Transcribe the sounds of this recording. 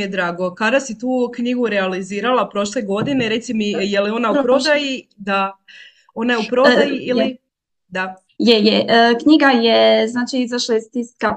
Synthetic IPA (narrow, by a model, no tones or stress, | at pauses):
ijed̪ɾaːɡo̞kad̪asit̪uːkɲiɡuɾealiziːɾalˠapɾo̞ʃle̞ɡo̞d̪ine̞ɾe̞t̪simijelio̞naupɾod̪ajid̪a | o̞najeupɾod̪ajiili | d̪a | jejekɲiɡajeznaːt͡ʃiizaʃlˠajest̪iska